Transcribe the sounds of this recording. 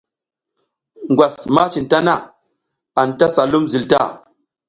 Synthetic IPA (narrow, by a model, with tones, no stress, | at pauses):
ŋɡʷwa˨sma˦t͡ʃi˨nta˦na˦ | a˨nta˦sa˨lu˦mzi˨lta̰˦˨